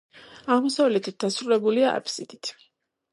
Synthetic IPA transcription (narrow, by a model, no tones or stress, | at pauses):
aʁmɔsavlɛt̪ʰit̪̚d̪asɾulɛbuliaʔa̰pʰsid̪̥it̪ʰ